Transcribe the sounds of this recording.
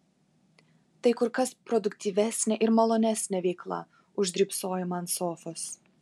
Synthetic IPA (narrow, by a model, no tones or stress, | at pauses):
t̪ɐɪkʊɾkɐspɾɔd̪ʊkt̪ʲiːʋʲæˑsʲnʲɛʔɪɾmɐlˠoːnʲæsʲnʲɛʋʲɛɪklˠɐ̰ | ʊʒʲd̪ʲɾʲiːpsoːjɪmɐnt̪soːfos